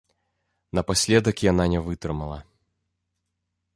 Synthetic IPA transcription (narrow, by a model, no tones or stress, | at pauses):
nɐpasʲlʲed̪əkʲjananʲɛvɨt̪ɾɨmɐlˠɐ̰